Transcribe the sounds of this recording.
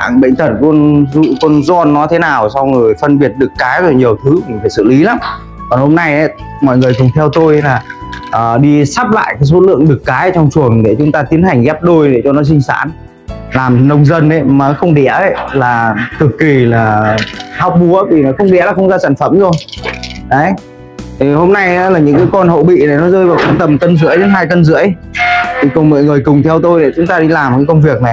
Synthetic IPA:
a̰ː˧˨ŋɓə̰˧˨ŋ̟t̪ʰə˨˩t̚kɔ˧nzṵ˧˨kɔ˧nzɔ˧nːɔ˨˦t̪ʰe˨˦naː˨˩wsa˧wŋ͡mŋɨ˨˩əjfə˧nɓi˨˩ət̚ɗɨ˨˩kːaː˨˦jzo˨˩ɲi˨˩əwt̪ʰɨ˨˦mi˨˩faː˧˩sɨ̰˧˨li˨˦laː˨˦m | kɔ˨˩nho˧mna˧jʔə˨˦j | mɔ̰˧˨jŋɨ˨˩əjk̪ʊ˨˩ŋ͡mt̪ʰɛ˧wt̪o˧jlaː˨˩ʔəː˨˩ɗi˧saː˦˥p̚la̰ː˧˨jkaː˨˦jso˨˦lɨ̰˧˨əŋɗɨ˨˩kːaː˨˦jt͡ɕɔ˧wŋ͡mt͡ɕu˨˩əŋɗe˧˩t͡ɕʊ˨˦ŋ͡mt̪aː˧t̪i˨˦ənha˨˩jŋ̟ɣɛ˦˥p̚ɗo˧jɗe˧˩t͡ɕɔ˧nɔ˨˦sï˧ŋ̟sa̰ː˧˥˨n | laː˨˩mnə˧wŋ͡mzə˧nʔə˨˧˦jməː˨˦xə˧wŋ͡mɗɛ̰˧˥əə˧˦jlaː˨˩t̪ʰɨ˨˩kːi˨˩laː˨˩hwk͡p̚mu˨˦əvi˨˩na˨˩xə˧wŋ͡mɗɛ̰˧˥laː˨˩xə˧wŋ͡mzaː˧saː˧˩nfə˧˩mzo˧jʔə˨˦j | t̪ʰi˨˩ho˧mna˧ja˧˦laː˨˩ɲɨ̰˧˥ŋkaː˨˦jkɔ˧nho̰˧˨ɓḭ˧˨na˨˩jnɔ˨˦zəː˧jvaː˨˩ka˧˩nt̪ə˨˩mkə˧nzɨ̰˧˥əjɗe˨˦nɦaː˧jkə˧nzɨ̰˧˥əj | t̪ʰi˨˩kɔ˨˩nmɔ̰˧˨jŋɨ˨˩əjkʊ˨˩ŋ͡mt̪ʰɛ˧wt̪o˧jɗḛ˧˩t͡ɕʊ˨˦ŋ͡mt̪aː˧ɗi˧laː˨˩m˨˩kaː˨˦kə˧wŋ͡mvi˨˩ək̚na˨˩j

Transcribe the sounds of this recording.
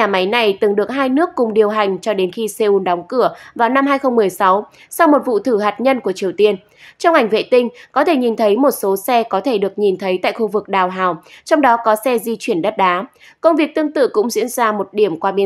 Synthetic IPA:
ɲaː˨˩ma˨˦jna˨˩jt̪ɨ˨˩ŋɗɨ˨˩ək̚ɦaː˧jnɨ˦˥əkːʊ˨˩ŋ͡mɗi˨˩əwɦa˨˩jŋ̟t͡ɕɔ˧ɗe˨˦nxi˧se˧ʔu˧nɗɔ˨˦wŋ͡mkɨ˧˩əvaː˨˩wna˧mɦaː˧jxə˧wŋ͡mmɨ˨˩əjsa˨˦w | sa˧wmo˨˩t̚vṵ˧˨t̪ʰɨ˧˩ɦaː˨˩t̚ɲə˧nku˧˩ət͡ɕi˨˩əwt̪i˧ən | t͡ɕɔ˧wŋ͡mʔa˧˩jŋ̟vḛ˧˨t̪ï˧ŋ̟kɔ˨˦t̪ʰe˧˩ɲi˨˩nt̪ʰə˨˦jmo˨˩t̚so˨˦sɛ˧kɔ˨˦t̪ʰe˧˩ɗɨ˨˩ək̚ɲi˨˩nt̪ʰə˨˦jt̪a̰ː˧˨jxu˧vɨ˨˩k̚ɗaː˨˩wɦa̰ː˨˩wt͡ɕɔ˧wŋ͡mɗɔ˨˦kɔ˨˦sɛ˧zi˧t͡ɕwi˧˩ənɗə˦˥t̚ɗaː˨˦ | kə˧wŋ͡mvi˨˩ək̚t̪ɨ˧əŋt̪ɨ̰˧˨kʊ̰˧˥ŋ͡mzḭ˧˥ənzaː˧mo˨˩t̚ɗi˧˩əmkwaː˧ɓi˧

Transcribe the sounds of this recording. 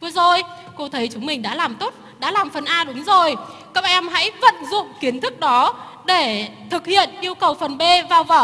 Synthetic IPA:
vɨ˧əzo˨˩j | ko˧t̪ʰə˨˦jt͡ɕʊ˨˦ŋ͡mmï˨˩ŋ̟ɗa̰ː˧˥laː˨˩mt̪o˦˥t̚ɗa̰ː˧˥laː˨˩mfə˨˩nʔaː˧ɗʊ˨˦ŋ͡mzo˨˩j | kəː˦˥k̚ʔɛ˧mha̰˧˥jvə̰˧˨nzʊ̰˧˨ŋ͡mki˨˦ənt̪ʰɨ˦˥k̚ɗɔ˨˦ | ɗe˧˩t̪ʰɨ˨˩k̚hḭ˧˨ənʔi˧əwkə˨˩wfə˨˩nɓe˧vaː˨˩wvəː˧˩

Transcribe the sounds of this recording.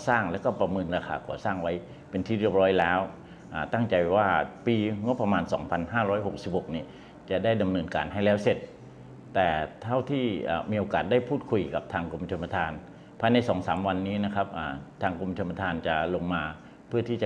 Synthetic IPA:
saː˥˩ŋlɛː˦˥wkɔː˥˩pɾa˧mɤː˧nɾaː˧kʰaː˧kʰɔː˩˦saː˥˩ŋwa˦˥j | pe˧nt̪ʰiː˥˩ɾi˥˩əp̚ɾɔː˦˥jlɛː˦˥w | ʔaː˨˩t̪a˥˩ŋt͡ɕa˧jwaː˥˩piː˧ŋo˦˥pːɾa˧maː˧nsɔ̰ː˩˦ŋpʰa˧nɦaː˥˩ɾɔː˦˥jɦo˨˩k̚si˨˩p̚ho˨˩k̚niː˧˥˩ | t͡ɕa˨˩daː˥˩jda˨˧mnɤː˧nka̰ː˨nɦa˥˩jlɛː˦˥wse˨˩t̪̚ː | ɛː˨˩t̪ʰa˥˩wt̪ʰiː˥˩ʔa̰ː˨˩miː˧ʔoː˧kaː˨˩t̪̚da˥˩jpʰuː˥˩t̪̚kʰu˧jka˨˩p̚t̪ʰaː˧ŋko˧mt̪ʰa˧ma˧t̪ʰaː˧n | pʰaː˧jna˧jsɔː˩˦ŋsaː˩˦mwa˧nːiː˦˥na˦˥kʰa˦˥p̚ʔaː˨˩t̪ʰaː˧ŋko˧m˧t̪ʰa˧mːa˧t̪ʰaː˧nt͡ɕa˨˩lo˧ŋmaː˧ | pʰɯ˥˩ɐt̪ʰiː˥˩t͡ɕa˨

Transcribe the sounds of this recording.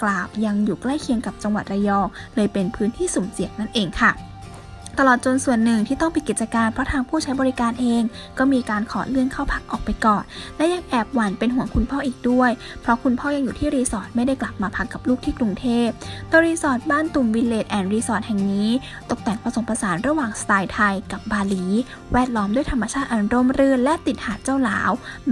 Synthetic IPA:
klaː˨˩wja˧ŋjuː˨˩kla˥˩jkʰi˧əŋka˨˩p̚t͡ɕa˧ŋwa˨˩t̪̚ɾa˧jɔː˧lɤː˧jpe˧npʰɯː˦˥nt̪ʰiː˥˩su˨˩˦msi˨˩˦ək̚na˥˩nʔeː˧ŋkʰa˥˩ | t̪a˧lɔː˨˩t̪̚t͡ɕo˧nsu˨˩ənːɯ˨˩ŋt̪ʰiː˥˩t̪ɔ˥˩ŋpi˨˧ki˨˩t̪̚t͡ɕa˧kaː˧npʰɾɔ˦˥t̪ʰaː˧ŋpʰuː˥˩t͡ɕʰa˦˥jbɔː˧ɾi˦˥kaː˧nʔeː˧ŋkɔː˥˩miː˧kaː˧nkʰɔ̰ː˨˩˦lɯ˥˩əŋkʰaː˥˩wpʰa˦˥k̚ʔɔː˨˩k̚pa˧jkɔː˨˩nlɛ˦˥ja˧ŋʔɛː˨˩p̚wa˨˦npe˧nɦu˩˦əkʰu˧npʰɔː˥˩˨ʔiː˨˩k̚du˥˩əj | pʰɾɔ˦˥kʰu˧npʰɔː˥˩ja˧ŋjuː˨t̪ʰiː˥˩ɾiː˧sɔː˨˩t̪̚ma˥˩jda˥˩jkla˨˩p̚maː˧pʰa˦˥kːa˨˩p̚luː˥˩k̚t̪ʰiː˥˩kɾu˧ŋt̪ʰeː˥˩p̚t̪ɛː˨˧˩ɾiː˧sɔː˨˩t̪̚baː˥˩nt̪u˨˩mwi˧nleː˨˩t̪̚ʔɛː˨˩nɾiː˧sɔː˨˩t̪̚hɛ˨˩ŋniː˦˥ | t̪o˨˩k̚t̪ɛː˨˩ŋpɾa˧so˨˩˦mpɾa˧saː˩˦nɾa˧waː˨˩ŋst̪aː˧jt̪ʰa˧jka˨˩p̚baː˧liː˩˦ | wɛː˥˩t̪̚lɔː˦˥mdu˥˩jt̪ʰa˧mːa˧t͡ɕʰaː˥˩t̪̚ʔaː˨˩n˧ɾo˧˥mɾɯ˧˥ənlɛ˦˥ʔt̪i˨˩t̪̚haː˨˩t̪̚t͡ɕaː˥˩wla̰ː˩˦w

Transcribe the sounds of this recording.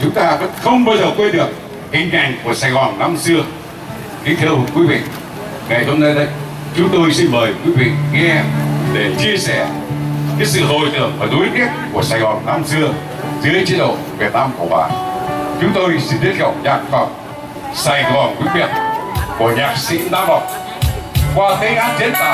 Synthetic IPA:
t͡ɕʊ˨˦ŋ͡mt̪aː˧və̰˧˥nxə˧wŋ͡mɓaː˧wzəː˨˩kwe˧nɗɨ˨˩ək̚ | ʔi˧˩ŋ̟kɛ˧˩ŋku˧˩əsaː˧jɣɔ˨˩nːa˧msɨ˧ə | ki˨˦˥t̪ʰɛː˧whʊ˨˩ŋ͡mkwi˨˦vḭ˧˨ | ŋa˨˩jɦo˧mna˨˧jɗə˨˦j | t͡ɕʊ˨˦ŋ͡mt̪o˧jsi˧nməː˨˩jkwi˨˦vḭ˧˨ŋɛ˧ʔɛ˧ɗe˧˩t͡ɕi˧əsɛ˧˩ | kaː˨˦jsɨ̰˧˨ɦo˨˩jt̪ɨ̰˧˨əŋfaː˨˩ɗo˨˦jk̪i˦˥ət̚ku˧˩əsaː˧˩jɣɔ˨˩nːa˧msɨ˧əŋ | zɨ̰˧˦ət͡ɕi˧˦˥ɗə̰˧˨wvi˨˩ət̚naː˧mku˧˩əɓa̰ː˨˩t͡ɕʊ˨˦ŋ͡mt̪o˧jsi˧nɗi˦˥t̚ɣə˨˩wk͡p̚ɲaː˨˩k̚fa˨˩wk͡p̚ | saː˧˩jɣɔ˨˩nkwi˨˧˦ɲḭ˧˩t̚ku˧˩əɲaː˨˩k̚sḭ˧˥naː˧˦va˨˩wk͡p̚ | kwaː˧˩t̪e˨˦ʔaː˨˦˥n̚t͡ɕe˨˦nt̪a̰ː˧˨

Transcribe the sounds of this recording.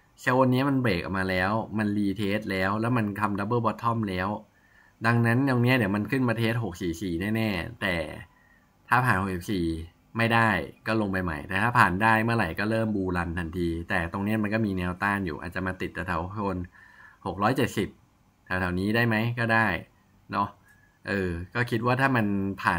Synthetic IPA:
t͡ɕʰa˧˥wa˧nːi˦˥ɐma˧nbeː˨˩k̚ʔa̰˨˩k̚maː˧lɛː˦˥wma˧nliː˧t̪ʰeː˦˥t̪̚lɛː˦˥wlɛː˦˥wma˧nkʰa˧mda˧˦˥bɤː˥˩bɔː˦˥t̪ʰːɔ˥˩mlɛː˦˥w | da˧ŋna˦˥nːo˧ŋni˦˥ɐdi˨˩˦ɐma˧nkʰɯ˥˩npa˧t̪ʰeː˦˥˩t̪̚ɦo˨˩k̚siː˨˩siː˨˩nɛː˥˩nɛː˥˩t̪ɛː˨˩ | t̪ʰaː˥˩pʰaː˨˩nho˨˩k̚si˨˩p̚siː˨˩ | ma˥˩jdaː˥˩jkɔː˥˩lo˧ŋpa˧jma̰˧˩jt̪ɛː˨˩t̪ʰaː˥˩pʰaː˨˩ndaː˥˩jmɯ˥˩ɐɾa˨˩jkɔː˥˩ɾɤː˥˩mbuː˧la˧nt̪ʰa˧nt̪ʰiː˧t̪ɛː˨˩t̪o˧ŋni˦˥ɐma˧nkɔː˥˩miː˧nɛː˧wt̪aː˥˩njṵː˨ʔa̰ː˨˩t̚t͡ɕa˨˩maː˧t̪i˨˩t̪̚ːa˨˧˩t̪ʰa˨˩˦wʰo˧nho˨˩k̚ɾɔː˦˥jt͡ɕe˨˩t̪̚si˨˩p̚ | t̪ʰa˨˩˦wt̪ʰa˨˩˦wniː˦˥daː˥˩jma˦˥jkɔː˥˩daː˥˩j | nɔ˦˥ | ʔɤː˧kɔː˥˩kʰi˦˥t̪̚waː˥˩t̪ʰaː˥˩ma˧npʰaː˨˩n

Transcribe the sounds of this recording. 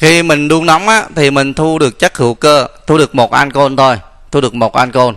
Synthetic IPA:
xi˧mï˨˩ŋ̟ɗu˧əŋna˨˦wŋ͡mʔaː˧˦t̪ʰi˨˩mï˨˩ŋ̟t̪ʰu˧ɗɨ˨˩ək̚t͡ɕə˦˥k̚hɨ̰˧˩˦wkəː˧t̪ʰu˧ɗɨ˨˩ək̚mo˨˩t̚ʔa˧nko˧nt̪ʰo˧j | t̪ʰu˧ɗɨ˨˩ək̚mo˨˩t̚ʔa˧nko˧n

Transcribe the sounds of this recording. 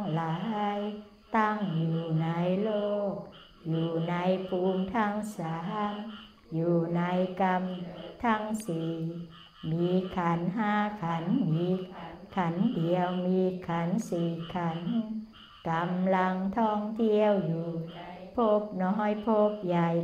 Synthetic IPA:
ŋlaː˨˦˧j | t̪a˧˩ŋjuː˨˩na˧˦jloː˧˩k̚ | juː˨˩na˧˦˥jpʰuː˧mt̪ʰaː˧˩ŋsaː˧˦ha˧n | juː˨˩na˧˦jka˧mt̪ʰa˧˩ŋsiː˨˩ | miː˨˧kʰa˨˦nɦaː˧˩˨kʰa˨˦niː˨˧kʰa˨˦ndi˨əwmiː˧kʰa˨˦nsiː˨˩kʰa˧˦n | ka˨˧mla˧ŋt̪ʰɔː˧˩ŋt̪ʰi˧əwjuː˨˩pʰo˧˥p̚nɔː˧˦˧jpʰo˧p̚ja˨˩j

